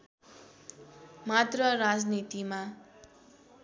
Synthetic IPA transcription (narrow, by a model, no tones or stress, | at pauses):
mat̪rʌrad͡znit̪ima